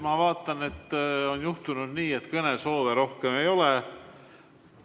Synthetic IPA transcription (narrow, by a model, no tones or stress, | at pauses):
mɑvɑːt̪ˑːɑne̞t̪ːo̞njuht̪unud̪̥niːe̞t̪kɤneso̞ːveɾo̞hkeme̞jo̞le